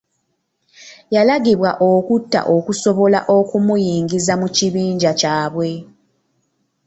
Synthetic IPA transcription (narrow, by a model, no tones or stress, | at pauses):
jalaɡiβwaʔokutːa̰ʔo̞kuso̞βo̞la̰ʔo̞kumujiːŋɡizamuciβiːɲɟacaːβwe̞